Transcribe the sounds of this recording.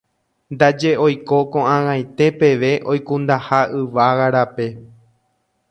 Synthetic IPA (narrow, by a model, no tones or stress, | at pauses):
nd̪ad͡ʒe̞o̞jko̞kõãŋãj̃t̪e̞pe̞ʋe̞ʔo̞jkũnd̪ahaʔɨʋaɣaɾape̞